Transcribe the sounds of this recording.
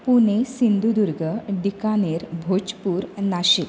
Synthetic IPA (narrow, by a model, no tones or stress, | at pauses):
punesind̪ud̪uɾɡʱəɖikaneɾbʱot͡ɕpuːɾnaɕek